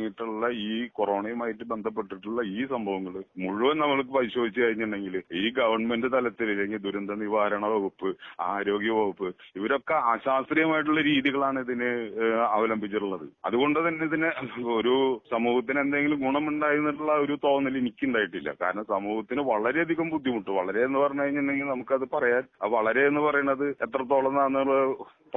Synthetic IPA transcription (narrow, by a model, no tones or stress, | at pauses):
ŋːiʈːuɭːɐiːkoro̞ːɳɐjumaːjiʈːɨbe̞nd̪ʱɐp̬ːe̞ʈːiʈːuɭːɐiːsɐmbʱɐʋɐŋːɐɭɨmuɻuʋɐnnɐmːɐɭkːɨpɐɾiɕo̞ːd̪ʱit͡ɕːɨkɐɾiɲːuɳɖe̞ŋɡiliːɡɐʋɐrɳmendɨt̪ɐlɐt̪ːilileŋɡild̪uɾɐnd̪ʱɐniʋaːɾɐɳɐʋoɣupːɨaːɾo̞ːɡjɐbɐɣupːɨiʋɐɾo̞kːeaːɕaːsrijɐmaːjiʈ̬ːuɭːɐɾiːðjiɣɐɭaːɳɨiðinɨɐʋɐlɐmbʱit͡ɕːiʈuɭːɐðɨ̰ɐ̰ðuɣo̞ɳɖɨt̪ɐnːeðinɨoɾusɐmuːhɐt̪̬ːine̞nd̪aeŋɡilumɡuɳɐmuɳɖaːjɾunːiʈuɭːɐo̞ɾut̪o̞ːnːɐlinikʲːuɳɖaːjiʈːilːɐ̰ka̰ːɾɐɳɐmsɐmuːhɐt̪ːinɨʋɐɭɐɾe̞ɐd̪ʱiɣɐmbud̪ʱːjimuʈːɨʋɐɭɐɾe̞enːɨpɐrɐjɲːukɐɻiɲːend̪eŋɡilnɐmukːɨɐðɨpɐrɐjaːlʋɐɭɐɾe̞enːɨpɐrɐjuɳːɐðɨet̪ːrɐt̪ːoːɭɐnːanːɐuɭːɐ | p